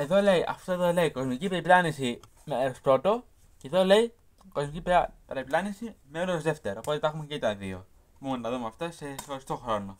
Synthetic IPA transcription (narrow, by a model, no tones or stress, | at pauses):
e̞ðo̞le̞iʔɐ̰ft̪oe̞ðoleiko̞zmicipeɾiplɐnisi | meɾospɾo̞t̪o̞ | ceðo̞le̞i | ko̞zmicippeɾeiplɐnisimeolozðe̞ft̪e̞ɾoopo̞t̪et̪ɐxumecet̪ɐðḭo̰ | momonnɐðumeɐft̪ɐse̞xoɾist̪o̞xɾo̞no